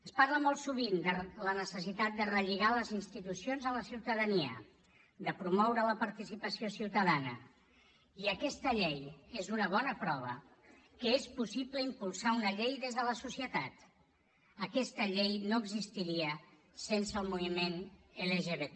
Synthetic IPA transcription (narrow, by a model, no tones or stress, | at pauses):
əspaɾləmɔlˠt̪suβind̪ələnəsəsit̪at̪̚d̪ərəʎiɣaləzinst̪it̪usionzələsiwt̪əðəniə̰ | d̪əpɾumɔwɾələpəɾt̪isipəsiosiwt̪əðanə̰ | iəkɛst̪əʎejezunəβ̞ɔnəpɾɔβ̞ə̰ | kəespusipləimpulˠsaunəʎejðezðələsusiət̪at̪ | əkɛst̪əʎejnoəɡzist̪iɾiə | sensəːlˠmuβimeneleʒeβe